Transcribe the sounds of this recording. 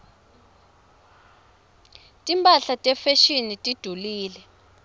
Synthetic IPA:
tʼimpʼaɬatʼɛfeʃinitʼid̥ʱuliːlɛ

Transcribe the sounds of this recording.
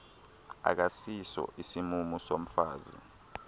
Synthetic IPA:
a̰k̬asisɔ̰ʔisimumusom̩faːzḭ

